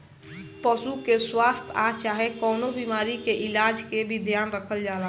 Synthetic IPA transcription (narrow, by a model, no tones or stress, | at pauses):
pəsukeswast̪ʰat͡ʃaːɦekəːnobimaːɾikeʔɪlad͡ʒkebʱid̪ʱjaːnɾəkʰəld͡ʒaːla